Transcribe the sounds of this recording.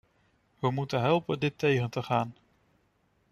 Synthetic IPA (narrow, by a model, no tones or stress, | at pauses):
ʋəmutənɦɛlˠpəndɪtejχəntəχaːn